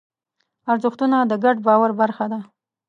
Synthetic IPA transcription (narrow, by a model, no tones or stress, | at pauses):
aɾzʊxt̪unad̪əɡaɖbɑwaɾbaɾxad̪a